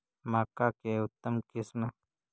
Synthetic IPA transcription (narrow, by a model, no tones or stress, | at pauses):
maːkakeʊt̪ːəmkɪsmə